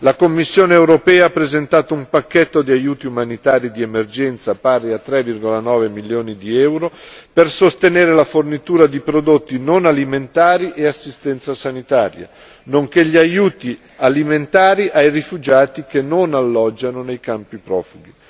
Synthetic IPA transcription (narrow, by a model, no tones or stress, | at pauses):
lakomːisːjoːneewɾopɛːaapːɾezent̪aːt̪oumpakːet̪ːod̪iajuːt̪iumanit̪aːɾid̪iemerd͡ʒɛnt̪sapaːɾiat̪ːɾɛvːirɡolanɔːvemilːjoːnid̪iɛwɾopersost̪eneːɾelafornit̪uːɾad̪ipɾod̪ot̪ːinonaliment̪aːɾiʔeasːist̪ɛnt̪sasanit̪aːɾja̰ | noŋkeʎiajuːt̪i | aliment̪aːɾiʔajrifud͡ʒaːt̪ik̟enːonalːɔd͡ʒːanonejkampipɾɔ̰ːfuɡi